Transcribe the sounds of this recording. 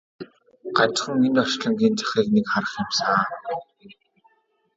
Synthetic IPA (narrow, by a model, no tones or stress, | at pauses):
ɢ̥at͡ɕχə̆ŋenɔʃɮə̆ŋɡiːnt͡sḁχiːknekχaɾə̆χjɪ̆msaː